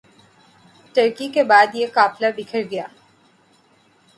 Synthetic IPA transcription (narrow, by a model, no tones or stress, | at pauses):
ʈəɾkikebaːd̪jekaːplaɖɪkʰəɾɡɐjaː